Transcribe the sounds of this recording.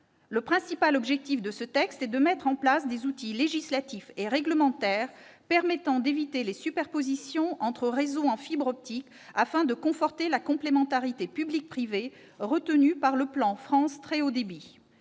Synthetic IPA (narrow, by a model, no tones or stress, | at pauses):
ləpχɛ̃sipalɔbʒɛk̚t̪ifd̪əsət̪ɛkst̪ɛd̪əmɛt̪χɑ̃plasd̪ezut̪ileʒislat̪ifeʁɛɡləmɑ̃t̪ɛːʁ | pɛʁmɛt̪ɑ̃d̪evit̪elesypɛʁpozisjɔ̃ɑ̃t̪χəʁezoɑ̃fibʁɔp̚t̪ik | afɛ̃d̪əkɔ̃fɔʁt̪elakɔ̃plemɑ̃t̪aʁit̪epyblik̚pχive | ʁət̪ənypaʁləplɑ̃fχɑ̃st̪χeod̪ebi